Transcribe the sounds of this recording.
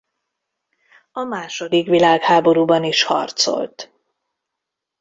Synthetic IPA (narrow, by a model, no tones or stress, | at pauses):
ɒmaːʃo̞d̪ikʋilaːkhaːbo̞ɾuːbɒniʃhɒ̰rt̪so̞̰lt̪